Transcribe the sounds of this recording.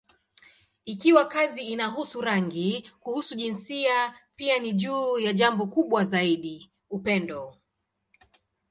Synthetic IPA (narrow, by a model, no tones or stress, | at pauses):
ikiwakaziːnaɦusuɾaŋɡikuhusuʄinsiapianiʄuːjaʄambɔkuɓwazaiɗi | upɛndɔ